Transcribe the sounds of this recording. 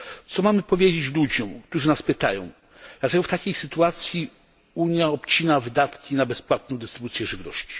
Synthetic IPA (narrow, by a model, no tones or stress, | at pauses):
t̪sɔmamɘpɔvʲjed͡ʑet͡ɕlud͡ʑɔ̃mk̚t̪uʐɘnaspɘt̪a̰jɔ̰̃w̃ | d̪̥lat̪ɛɡɔft̪akʲejsɘt̪uat̪sʲji | uɲjaɔpt͡ɕinavɘd̪at̪kʲinabɛspwat̪̚nɔ̃w̃d̪ɛst̪ɾɘbut̪sʲjɛʐɘvnɔ̰ɕt͡ɕi̥